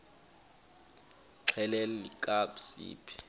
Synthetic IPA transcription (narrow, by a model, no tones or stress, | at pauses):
ǁʰɛlɛlɛlikʼabsḭːpʰi̥